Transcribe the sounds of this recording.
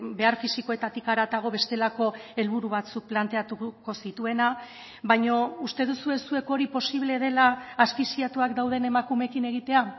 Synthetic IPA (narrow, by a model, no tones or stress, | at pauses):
be̞aɾfisiko̞e̞t̪at̪ikaɾat̪aɣ̞o̞βe̞st̪e̞lako̞e̞lβuɾuβat͡suk̚plant̪e̞at̪uko̞sit̪ue̞na | βajɲo̞ust̪e̞ð̞usue̞sue̞ko̞ɾipo̞siβ̞le̞ðe̞laːspisiat̪uakd̪awð̞e̞ne̞makume̞kine̞ɣ̞it̪e̞a